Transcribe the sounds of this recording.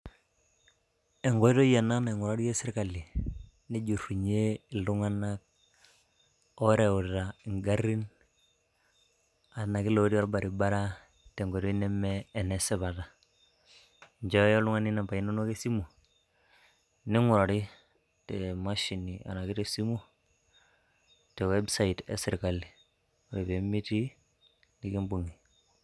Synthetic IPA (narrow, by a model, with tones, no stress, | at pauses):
ɛ˨ŋɡɔ˦i˦ɾo˦je˨na˦na˨ŋʊ˨ɾa˦ɾi˦jɛ˦sɪ˦ɾka˨li˨ | ni˦d͡ʒu˨ru˨ɲe˦ɪ˨lu˦ŋa˦na˦k̚ | ɔ˦ɾe˨u˨ta˨ɪ˨ŋɡa˦ɾi˦n | a˨na˨ki˦lo˨˦ɾi˦a˦ɾba˨ɾi˨ba˦ɾa˦ | tɛ˨ŋɡɔ˨ɾɔ˦i˦nɛ˦mɛː˦˨nɛ˨sɛ˦βa˨ta˨ | ɲd͡ʒa˦jo˦lu˦ŋa˦ni˦na˨mpa˨i˦no˦no˦ke˦si˦mo˨ | ni˦ŋu˨ɾo˨ɾi˦ | tɛ˨ma˦ʃi˨ni˨a̰˨na˨ki˦te˨si˦mo˦ | tɛ˨wɛ˦bsa˦i˨tḛ˦sɪɾka˨li˨ | ɾe˨be˨mi˦ti˦ | ni˦ki˦mbu˨ŋi˨